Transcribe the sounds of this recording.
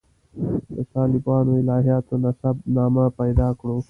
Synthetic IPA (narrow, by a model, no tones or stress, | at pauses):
t̪ɐ̰t̪aːlɪbaːnoːɪlaːɦjaːt̪onɐsɐbnaːmãːpɐjd̪aːkɽõː